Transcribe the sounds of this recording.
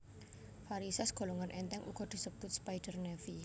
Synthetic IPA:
faɾisɛsɡ̥o̤lɔŋanʔɛnt̪ɛŋʔṵɡ̥ɔd̪̥i̤səb̥ʊt̪̚spajɖ̥ərnɛfi

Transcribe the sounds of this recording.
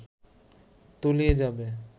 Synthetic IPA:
t̪olied͡ʑabe

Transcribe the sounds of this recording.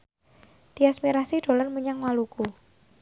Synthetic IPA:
d̪̥iasmiɾasiɖ̥o̤larmuɲaŋwaluku

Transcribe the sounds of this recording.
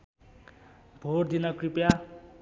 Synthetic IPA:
bʱoɾd̪inʌkripja

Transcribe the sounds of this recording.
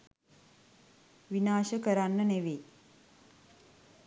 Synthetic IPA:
ʋinaːʃəkəɾanːəneʋe

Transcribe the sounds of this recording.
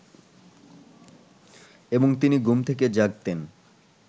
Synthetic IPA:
eboŋt̪iniɡumt̪ʰeked͡ʑaɡt̪en

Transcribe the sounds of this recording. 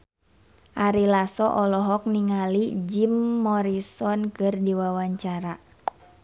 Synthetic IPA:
ʔaɾilasɔʔɔlɔɦɔk̚niŋalid͡ʒimːɔɾisɔnkɨrdiwawaɲt͡ʃaɾa

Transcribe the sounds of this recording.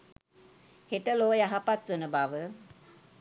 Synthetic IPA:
heʈəloːjaɦapat̪ʋənəbaʋə

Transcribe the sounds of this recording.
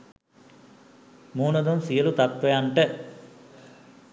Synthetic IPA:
muːnɐd̪ɐmsijɐlut̪ɐt̪ʋeɐɳʈe

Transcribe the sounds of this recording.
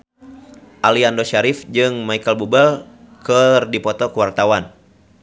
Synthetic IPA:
ʔaliandoʃaɾifd͡ʒɨŋmaikəlbubəl | kɨrdipɔt̪ɔkuwart̪awan

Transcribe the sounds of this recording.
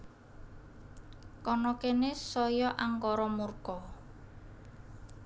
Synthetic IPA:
kɔnɔkenesɔjɔʔaŋkɔɾɔmurkɔ

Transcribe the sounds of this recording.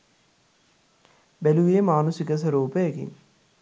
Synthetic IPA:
bæluʋemaːnusikəs̬ɐɾuːpəjɐkḭŋ

